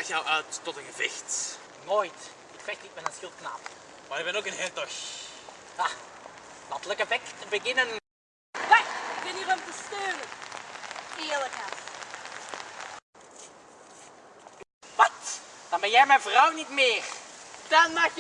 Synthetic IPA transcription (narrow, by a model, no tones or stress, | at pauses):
xjawʔœːtːɔtənɣəvɪxt | noːjt | ɪkfɛxtnitmɛtənsxɪlˠtkna̰ːpmaɾɪk̚bɛnokənɦɛrtɔx | a | lɑntləkəvɛktəbəɣɪnən | ʋaxɪk̚bɪniʁɔmtəstøːnən | ɪːləkaf | ʋɑt | d̥ɑnbɛnjɛjmɛnvrɔwnitmɪːrd̥ɑnmɑx